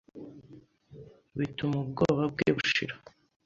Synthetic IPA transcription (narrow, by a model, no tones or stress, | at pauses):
βitumubɡoβab̚ɡḛβuʃḭɾḁ